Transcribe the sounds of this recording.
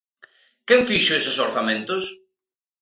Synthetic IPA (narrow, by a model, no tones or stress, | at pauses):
kɛɱfiʃʊesɪsoɾθamẽnt̪ʊs